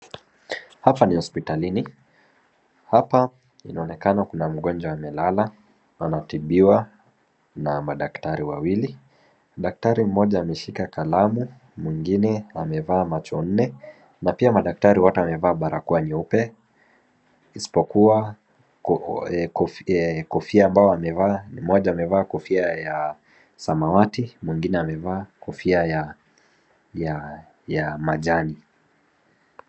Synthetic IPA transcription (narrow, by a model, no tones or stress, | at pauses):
hapanihɔspitalini | hapa | inaɔnɛkanakunam̩ɠɔnd͡ʒwaːmɛlala | anatiɓiwa | namaɗaktaɾiwawili | ɗak̚taɾim̩mɔʄaːmɛʃikakalamu | mwiŋɡinɛamɛvaːmat͡ʃɔn̩nɛ | napiamaɗak̚taɾiwatuamɛvaːɓaɾakuaniupɛ | isi̥pɔkua | ɛkɔfɛkɔfiaːmbaɔamɛvam̩mːɔʄaːmɛvaːkɔfiaja | samawatimwiŋɡinɛamɛvaːkɔfiaja | ja | jamaʄani